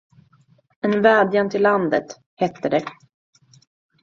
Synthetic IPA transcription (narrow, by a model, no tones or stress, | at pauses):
ɛnvæːd̪jant̪ʰɪlːand̪ə̰t̪ | hɛt̪ːəd̪ɛ